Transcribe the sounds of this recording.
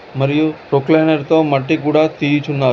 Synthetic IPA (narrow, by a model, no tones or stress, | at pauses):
məɾjupɾoklenəɾt̪omaʈikuɽat̪it͡ʃʰunaː